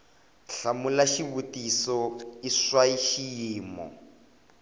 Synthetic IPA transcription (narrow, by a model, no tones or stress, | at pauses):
ɬamulaʃiβutisɔiswaiʃijiːmɔ̰